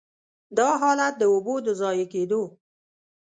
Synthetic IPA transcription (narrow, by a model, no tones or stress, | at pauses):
d̪ɑɦɑlat̪̚d̪əobod̪əzɑjeked̪o